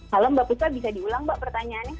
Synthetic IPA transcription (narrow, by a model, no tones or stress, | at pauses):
aləmbaʔpusabisadiulaŋbaʔpərt̪aɲaːnja